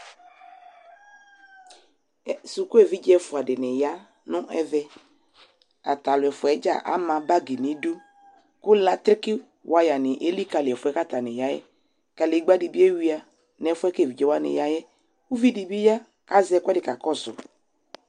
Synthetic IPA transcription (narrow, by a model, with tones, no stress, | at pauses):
su˨ku˦ɛ˦˨vi˦d͡ʒɛ˦fʊ˨a˨dɪ˨nɪ˨ja˦ | nʊ̃˦ʔɛ˦vɛ˦ | a̰˨ta˨lʊ˨ɛ˨fʊ˨ɛ˨˦d͡ʒa̰˦˨ʔa̰˦mã˨ba˦ɡi˨nɪ˨˦du˦ | kʊ˦la˦t̪ɾɪ˦kɪ˦ | wʔa˦ja˨nɪ˨ʔe˦li˦ka˨lɪ˨ɛ˨fʊ˨ɛ˦ka˦ta˨nɪ˨ja˦jɛ̰˦ | ka˨le˨˦ɡ͡ba˦di˨bi˦e˦wi˦a˨ | n˨ɛ˨fʊ˦ɛ˦kɛ˦˨vi˨d͡ʒɛ˦wa˦nɪ̰˨ja˦jɛ˦ | u˦vi˦di˨bi˦ja˦ | ka˦zɛ˦˨kʷʊ˦ɛ˦dɪ˨ka˨kɔ˦sʊ̰˨